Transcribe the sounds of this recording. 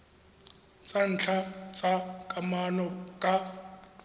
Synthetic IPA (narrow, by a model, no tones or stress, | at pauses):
t͡sʼan̩ːt͡ɬʰat͡sʼakʼamanɔkʼa